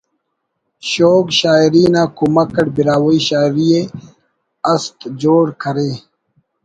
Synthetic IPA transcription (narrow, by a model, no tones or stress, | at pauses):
ɕoːkɕaːiɾiːnaːkumɐkɐʈbiɾaːwoiɕaːiɾie | ɐst̪d͡ʑoːɽkʰɐɾeː